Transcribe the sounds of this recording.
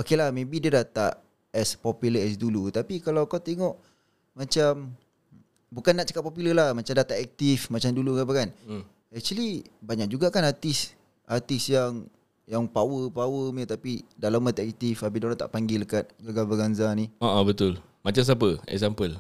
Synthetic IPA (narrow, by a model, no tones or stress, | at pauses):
okelahmẽbidiədat̪a̰ʔ | ɛspɔpjuləɛs̬dulut̪apikalawkawt̪eŋɔʔ | mat͡ʃam | bukanːaʔt͡ʃḁkat̚populəlahmat͡ʃamdat̪aɛk̚t̪ifmat͡ʃamdulukap̬akan | ɛk̚t͡ʃwalibaɲak̚d͡ʒuɡakanat̪is | at̪isjaŋ | jaŋpawəpawəmət̪apidalamat̪aɛk̚t̪ifabidoɾat̪a̰ʔpaŋɡɪlkat̪̚ɡaɡalbəɡanzaniaʔabət̪ʊl | mat͡ʃams̬ap̬əɛ̰ksampəl